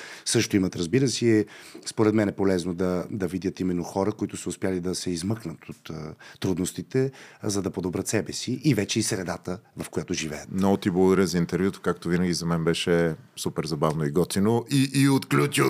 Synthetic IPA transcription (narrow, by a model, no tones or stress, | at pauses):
sɤʃt̪oimət̪ɾɐzbiɾəsiɛspoɾɛt̪mɛnɛpolɛznod̪ɐd̪ɐvid̪ʲjət̪imɛnːoxɔɾəkoit̪ʊsəʊspjalid̪ɐsɛizmɤknət̪ot̪ːɾud̪nost̪it̪ɛzɐd̪ɐpod̪ɔbɾət̪sɛbɛsiʔivɛt͡ʃɛisɾɛd̪at̪əvɐfkojat̪ʊʒivɛ̰jət̪mnɔɡot̪iblˠəɡʊd̪ɐɾʲɛzɐint̪ɛɾvʲjut̪o̥kak̚t̪ovinəɡʲizɐmɛnbɛʃɛsupɛɾzɐbavnoiɡɔt̪inoiiot̪klʲut͡ʃi